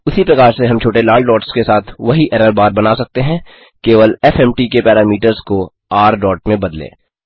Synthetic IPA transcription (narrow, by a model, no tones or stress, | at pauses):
ʊsipɾɐkaːɾseɦɐ̃mt͡ʃʰoːʈelaːlɖɔːʈskesaːt̪ʰʋɐɦiʔɛɾəɾbaːɾbɐnaːsɐk̚t̪eɦɛ̃ | keːʋəlɛfɛmʈikepɛːɾaːmiːʈəɾzko | aːɾɖɔːʈ̚mẽbɐd̪lḛː